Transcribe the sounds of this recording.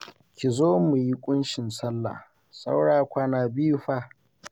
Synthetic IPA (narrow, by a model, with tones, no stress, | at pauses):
kʲi˨zoː˦mu˨ji˦kʷʼʊ˦nʃɪ˨nsɐ˦lːa̰˨ | sa̰˦wɽaː˨kʷaː˦naː˨biː˦ɸaː˦˨